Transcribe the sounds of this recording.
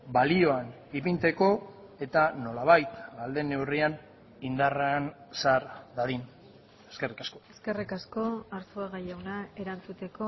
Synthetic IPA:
balio̞an | ipint̪e̞ko̞ | e̞t̪ano̞laβ̞ajt̪ɡald̪e̞ne̞wrian | ind̪aransaɾd̪aðin | eske̞rikasko̞eske̞rikasko̞aɾsoeɣajewnae̞ɾant͡sut̪e̞ko̞

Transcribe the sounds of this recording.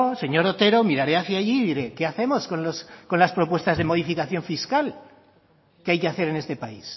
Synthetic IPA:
se̞ɲo̞ɾo̞t̪e̞ɾo̞miɾaɾe̞aθjaʝiðiɾe̞ke̞aθe̞mo̞sko̞nlosko̞nlaspɾo̞pwe̞st̪azðe̞mo̞ð̞ifikaθjo̞ɱfiskal | keajke̞aθe̞ɾe̞ne̞st̪e̞pais

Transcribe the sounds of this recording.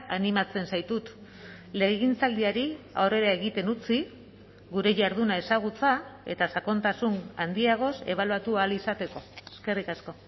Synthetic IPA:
animat͡se̞nsajt̪ut̪ | le̞ɣint͡sald̪iaɾia̰wre̞ɾae̞ɣit̪e̞nut͡si | ɡuɾe̞ʝaɾð̞unae̞saɣ̞ut͡sae̞t̪asako̞nt̪asunand̪iaɣ̞o̞se̞̰βaluat̪uaːlisat̪e̞ko̞eske̞rikasko̞

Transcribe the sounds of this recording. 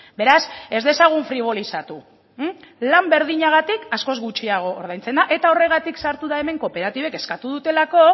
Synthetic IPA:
be̞ɾase̞zðe̞saɣ̞uɱfɾiβ̞o̞lisat̪u | lambe̞ɾð̞iɲaɣ̞at̪ikasko̞zɣut͡ʃiaɣ̞o̞ːɾð̞ajnt͡se̞nd̪aʔe̞t̪ao̞re̞ɣ̞at̪iksaɾt̪uðae̞me̞ŋko̞pe̞ɾat̪iβe̞ke̞skat̪uðut̪e̞lako̞

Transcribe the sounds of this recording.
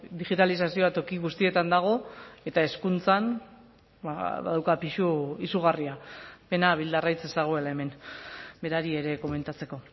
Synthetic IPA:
d̪iɣit̪alis̬asio̞at̪o̞kiɣust̪ie̞t̪and̪aɣ̞o̞e̞t̪ae̞skunt͡san | ba̰βa̰ðawkapiʃuisuɣariape̞naβ̞ild̪arajt͡sesaɣ̞oe̞lae̞me̞nbe̞ɾaɾie̞ɾe̞ko̞me̞nt̪at͡se̞ko̞

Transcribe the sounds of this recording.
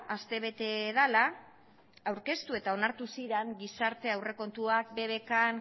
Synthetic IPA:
ast̪e̞β̞e̞t̪e̞ðala | awɾke̞st̪ue̞t̪ao̞naɾt̪usiɾeŋɡisaɾt̪e̞awre̞ko̞nt̪uak̚be̞βe̞kaŋ

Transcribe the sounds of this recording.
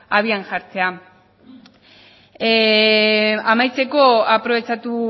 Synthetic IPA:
aβiaŋʝaɾt͡se̞a | amajt͡se̞ko̞apɾo̞βe̞t͡sat̪u

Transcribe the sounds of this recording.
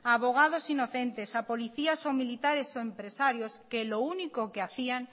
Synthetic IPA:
aβoɣ̞að̞osinoθent̪esapoliθiasomilit̪aɾesoempɾesaɾjoskelounikokeaθiaŋ

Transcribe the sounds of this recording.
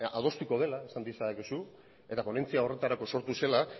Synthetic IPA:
a̰ð̞o̞st̪uko̞ð̞e̞laesand̪isakesu | e̞t̪apo̞ne̞nt͡siao̞re̞t̪aɾako̞so̞ɾt̪use̞la

